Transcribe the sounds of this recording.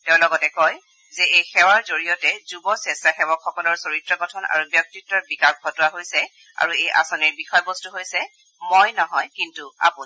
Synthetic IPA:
tɛʊ̃lɔɡɔtɛkɔj | zɛejxɛwaɹzoɹijɔtɛzubɔsɛstaxɛwɔkxɔkɔlɔɹsoɹitɹɔɡɔtʰɔna̰ɹubjɔk̚titːɔt̚bikak̚bʱɔtɔaɦojsɛ | a̰ɹuejʔa̰sɔniɹbixɔjbɔstuɦojsɛ | mojnɔɦɔjkintua̰pu

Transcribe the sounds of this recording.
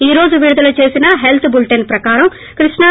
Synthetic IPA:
iːɾo̞ːd͡ʒuʋiɾud̪ɐlut͡ʃe̞ːsinɐɦe̞lt̪ʰbulʈenpɾɐkaːɾɐm | kɾiʂɳɐ

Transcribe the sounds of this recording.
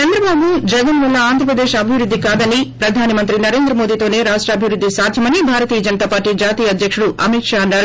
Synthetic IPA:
t͡ʃɐnd̪ɾɐbaːbud͡ʒɛɡɐnʋɐlːɐaːnd̪ʱɾɐp̬ɾɐd̪eːʃɐbʱiʋɾud̪ʱːikaːd̪ɐnipɾɐd̪ʱaːnimɐnt̪ɾinɐɾe̞ːnd̪ɾɐmo̞ːd̪iːt̪oːne̞ːɾaːʂʈɾɐɐbʱiʋɾud̪ːisaːd̪ʱjɐmɐnibʱaːɾɐt̪iːjɐd͡ʒɐnɐt̪aːpaːɾʈːiːd͡ʒaːt̪iːjɐɐd̪ʱjɐkʂuɽuʔɐ̰miʈʂaːɐnːaːɾu

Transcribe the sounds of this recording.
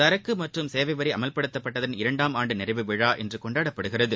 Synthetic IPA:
ɐɾɐkːɯmɐʈrɯmseːʋɐɪʋɐɾɐɪɐmɐlpɐɽɯt̪ːɐpːɐʈːɐðɐnɪɾɐɳɖaːmaːɳɖɯnɪrɐʋɯʋɪɻaːʔɛndrɯkɔɳɖaːɽɐpːɐɽɯɣɪrɐðɯ

